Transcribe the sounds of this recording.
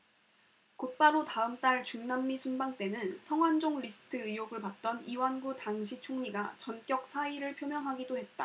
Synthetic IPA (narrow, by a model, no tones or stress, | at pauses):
kok̚p͈aɾotaɯmt͈aɭt͡ɕuŋnamːisʰunbaŋt͈e̞nɯnsʰʌŋɦwand͡ʑoŋɾisʰɯ̥tʰɯɯjoɡɯɭpat̚t͈ʌniwanɡutaŋɕʰit͡ɕʰoŋɲiɡat͡ɕʌnk͈jʌk̚sʰaiɾɯɭpʰjomjʌŋɦaɡidoɦe̞t̚t͈a